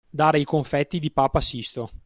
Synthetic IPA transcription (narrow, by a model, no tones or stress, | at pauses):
d̪aːɾejkoɱfɛt̪ːid̪ipaːpasist̪o